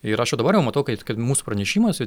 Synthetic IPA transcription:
ɪɾɐʃjɛʊd̪ɐbɐɾjɛʊmɐt̪ɐʊkɐt̪kɐɪtmuːsʊ̥prɐnʲɛʃʲiːmɐsʲɪ

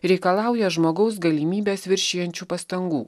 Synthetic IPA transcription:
ɾʲɛɪkɐlˠɑˑʊjɛʒmoːɡɐʊs̬ɡɐlʲimʲiːbʲeːsʋʲɪɾʲʃʲiːjɛnʲt͡ʃʲuːpɐst̪ɐŋɡuː

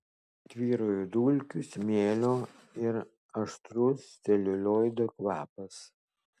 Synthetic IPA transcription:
t̪ʲʋʲiːɾojʊd̪uːlʲkʲʊsmʲeːlʲoː | ɪɾ | ɐʃt̪ɾʊst̪ʲɛlʲʊlʲoːjd̪okʋɑːpɐs

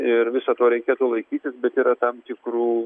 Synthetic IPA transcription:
ɪrʋʲɪsɐt̪oːɾʲɛɪkʲeːt̪ulˠɐɪkʲiːt̪ʲɪsbʲɛt̪iːɾɐt̪ɐmt̪ʲɪkruː

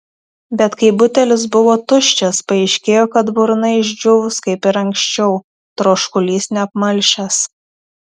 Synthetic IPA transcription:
bʲɛt̪kɐɪbʊt̪ʲɛlʲɪs̬bʊʋoːt̪ʊʃʲt͡ʃʲɛspɐɛɪʃʲkʲeːjoːkɐt̪bʊɾnɐɪɪʒʲd͡ʒʲʊʋʊskɐɪpɪɾɐŋʲksʲt͡ʃʲɛʊ | t̪ɾoːʃkʊlʲiːsnʲɛɐpmɐlʲʃʲɛs

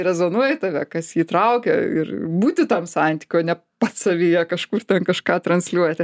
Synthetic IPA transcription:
ɾʲɛzoːnuɔjɛɪt̪ɑʋʲɛkɐsjiːt̪ɾɐʊkʲɛ̰ɪ̰ɾbuːt̪ʲɪt̪ɐmsɑnʲt̪ʲi̥kʲoːnʲɛ | pɐt̪sɐʋʲijɛkɐʃkurt̪ʲɛnkɐʃkɑːt̪ɾɐnʲsʲlʲuɔjt̪ʲɪ

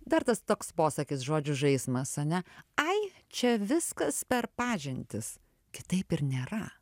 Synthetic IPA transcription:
d̪ɐɾt̪ɐst̪oːkspoːsɐkʲɪsʒoːd͡ʒʲʊʒɐɪsmɐsɐnʲɛɐɪ | t͡ʃʲɛʋʲɪskɐspʲɛɾpɑːʒʲɪnʲt̪ʲɪs | kʲɪ̥t̪ɐɪpɪɾnʲeːɾɐ

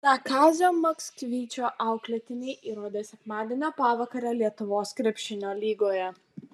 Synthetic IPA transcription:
nɐkɑːzʲoːmɐksʲkʲʋʲiːt͡ʃʲoːʔɑˑʊklʲɛt̪ʲɪnʲɛɪʔiːɾoːd̪ʲeːsʲɛkmɑːd̪ʲiɛnʲoːpɑʋɐkɐɾʲɛlʲiɛt̪ʊʋoːskɾʲɛpʲʃʲɪnʲoːlʲiːɡoːjɛ

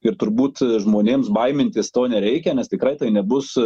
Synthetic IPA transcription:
ɪɾt̪ʊɾbuːt̪ʒmoːnʲeːmsbɐɪmʲɪnʲt̪ʲɪst̪oːnʲɛɾʲɛɪkʲɛnʲɛst̪ʲɪkrɐɪt̪ɐɪnʲɛbʊs

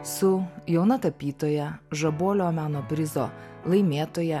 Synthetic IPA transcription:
sʊjɛʊnɐt̪ɐpʲiːt̪oːjɛʒɐboːlʲoːmʲæːnoːpʲɾʲɪzo̰ːlˠɐɪmʲeːt̪oːjɛ

